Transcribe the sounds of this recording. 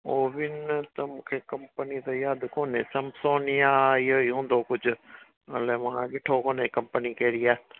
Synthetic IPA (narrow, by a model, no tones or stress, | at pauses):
oːʋɪnt̪ɐmũːkʰekɐ̃mpənit̪ɐjaːd̪koːnẽsɐmsoːnɪjaːɪɦoiɦũːnd̪okʊd͡ʑʱʊ | ɐleʋãɠɪʈʰokoːnekɐ̃mpənikɐɾiaː